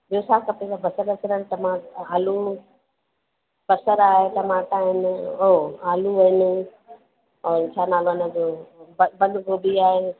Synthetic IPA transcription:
boːsaːkɐpẽsabɐsəɾkəɾəɽʈɐmaːaːlu | b̥ɐsəɾaːɦeʈ̪ɐmaːʈaːɦɪnoːaːluʋɐɦɪn | ɔːɾt͡ʃʰaːnaːlonə̃d͡ʒoːbbɐ̃nd̪koːbiaːɦe

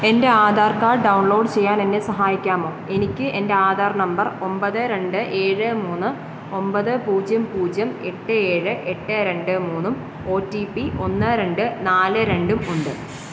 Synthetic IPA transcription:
e̞nde̞aːd̪ʱaːrkaːɖɐwɳɭo̞ːɖɨt͡ɕe̞jːaːne̞nːe̞sɐɦaːjikʲːaːmo̞ːe̞nikʲːɨʔe̞nde̞aːd̪ʱaːrnɐmbɐro̞mbɐðɨɾe̞ɳɖɨʔe̞ːɻɨmuːnːɨ | o̞mbɐðɨpuːd͡ʑjɐmpuːd͡ʑjɐme̞ʈːɨe̞ːɻɨʔe̞ʈːɨɾe̞ɳɖɨmuːnːum | o̞ːtːipio̞nːɨɾe̞ɳɖɨnaːlɨɾe̞ɳɖumuɳɖɨ

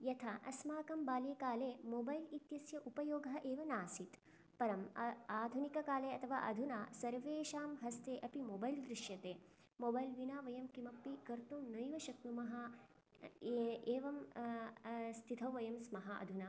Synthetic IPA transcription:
jɐt̪ʰɐʔɐsmaːkɐmbaːljɐkaːleːmoːbɐjlit̪jɐsjɐʔupɐjoːɡɐɐʔeːʋɐnaːsit̪ | pɐɾɐmaːd̪ʱunikɐkaːleːɐt̪ʰɐʋa̰ːʔɐ̰d̪ʱunaːsɐɾʋeːʃaːmɦɐst̪eːʔɐpimoːbɐjld̪ɾiʃjɐt̪eː | moːbɐjlʋinaːʋɐjɐmkimɐpːikɐɾt̪umnɐjʋɐʃɐknumɐɦɐ | eːʋɐm | st̪ʰit̪ʰɐʋʋɐjɐmsmɐɦɐɐ̰d̪ʱunaː

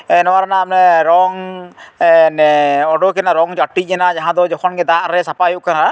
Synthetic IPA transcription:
ɛnɔwaɾanaːpnɛɾɔŋ | nɛɔɖɔkɛnaɾɔŋd͡ʒaʈːid͡ʒɛnad͡ʒaɦãd̪ɔd͡ʒɔkʰɔnɡɛd̪aʔɾɛsapaɦjuʔkaɾaa

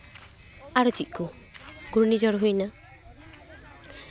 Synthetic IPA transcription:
aɾɔt͡ʃic̪̚ˀkɔ | ɡuɾnid͡ʒɔɾɦujna

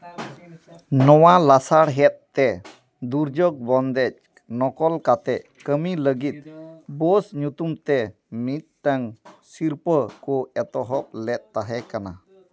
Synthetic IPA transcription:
nɔwalasaɽɦɛt̪̚t̪ɛ | d̪uɾd͡ʒɔk̚bɔnd̪ɛc̚ | nɔkɔlkat̪ɛʔ | kəmiləɡit̪̚bɔsɲut̪umt̪ɛ | mit̪̚ʈaŋsiɾpəkɔɛt̪ɔɦɔp̚lɛt̪̚t̪aɦɛkana

